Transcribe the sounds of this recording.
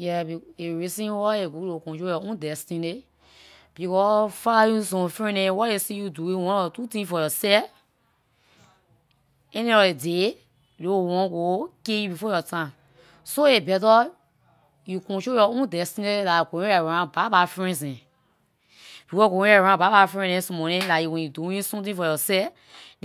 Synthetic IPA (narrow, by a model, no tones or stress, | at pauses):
jɛbieɹisĩnwɔeɡolokɔ̃nt̬ojɔõndɛstĩne | b̥ikɔfalajus̬ɔ̃mfɹɛ̃newɔesijuduĩwɔ̃nɔtutĩfɔjɔsɛf | ɛnĩɔɾede | lowɔ̃ɡokejubifɔjɔtãm | soebɛt̬ɔ | jukɔ̃ʃojɔõndɛstineilakõjɔɹãbabafɹɛ̃nsɛ̃ | b̥ifɔɡoɛ̃jɔɹãbabafɹɛ̃nɛ̃nsɔ̃mɔnɛ̃lawɛ̃juduwĩsɔ̃mtĩfɔjɔsɛf